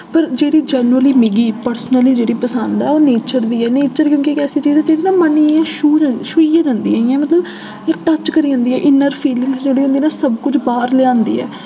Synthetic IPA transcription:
pəɾd͡ʒeːɽiːd͡ʒɛːnəliːmɪɡiːpəɾsnəliːd͡ʒeːɽiːpəsənd̪ɛːoːneːt͡ʃəɾd̪iːɛːneːt͡ʃəɾkjõːkikɛːsiːt͡ʃiːzɛːd͡ʒeːɽiːnãːməniːɛ̃ːʃuːd͡ʒaʃuiːjãːd͡ʒãːnd̪ḭːɛ̃ːiɛ̃ːmət̪ləb | ɪkʈət͡ʃkəɾiːɦʊ̃ːnd̪iːɛːʔɪnəɾpʰiːlɪ̃ŋɡsd͡ʒeːɽiːɦʊ̃nd̪iːnãːsəbkʊt͡ʃʰbaːɾlɪãːnd̪ḭːɛ̰ː

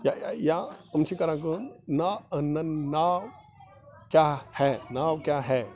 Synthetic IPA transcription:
jajajaəmt͡ʃʰikɐɾãk̬unnaənɐnaw | kjahɛnawkjaɦɛ

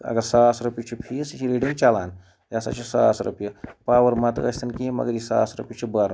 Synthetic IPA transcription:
ɐ̰ɡəɾsaːsɾupjut͡ʃʰipʰist͡ʃʰiɾiɖiŋt͡ʃaːlaːn | jasa̰t͡ʃʰisaːsɾṵpjɐpaːʋɐɾmat̪ɐ̰sʲt̪ɐnkimɐ̰ɡəɾjisa̰ːsɾupjut͡ʃʰibaɾ

